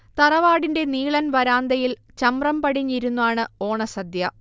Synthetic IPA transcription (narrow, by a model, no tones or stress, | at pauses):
t̪ɐrɐʋaːɽinde̞niːɭɐnʋɐɾaːnd̪ɐjil | t͡ɕɐmrɐmpɐɽiɲːiɾunːuʋaːɳɨo̞ːɳɐsɐd̪jɐ